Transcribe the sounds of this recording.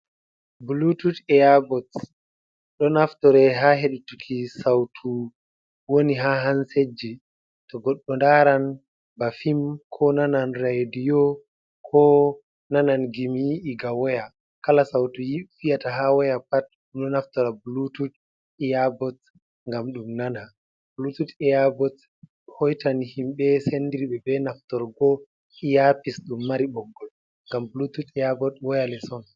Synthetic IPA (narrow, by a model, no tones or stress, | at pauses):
bulututɛjabɔt | ɗɔnaftɔɾɛɦaɦeɗutukʰisawtʰu | woniɦaɦansed͡ʒːi | tɔɡɔɗːɔndaɾan | bafimkʰɔnananɾajdijɔ | kʰɔ | nananɡimjiʔiɡawɔja | kalasawtɔjifijataɦawɔjapat̚ | unɔnaftɔɾabulutut | ɛjabɔt | ŋɡamɗumnana | bulututɛjabɔt | hɔjtanihimɓɛsendiɾiɓɛbɛnaftɔɾɡɔ | ijapisɗumːaɾiɓɔŋɡɔl | ŋɡambulututɛjabɔtwɔjalɛsɔn